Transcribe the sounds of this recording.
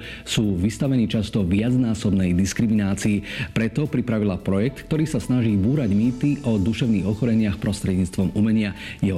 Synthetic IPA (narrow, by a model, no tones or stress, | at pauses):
suːʋist̪aʋɛniːt͡ʃast̪ɔʋɪad͡znaːsɔbnɛjd̪iskɾiminaːt͡siipɾɛt̪ɔpɾipɾaʋilapɾɔjɛk̚t̪k̚t̪ɔɾiːsasnaʒiːbuːɾaɟmiːt̪iʔɔd̪uʃɛʊniːɣɔxɔɾɛɲɪaxpɾɔst̪ɾɛdɲiːt͡st̪ʋɔmumɛɲɪajɛɦɔ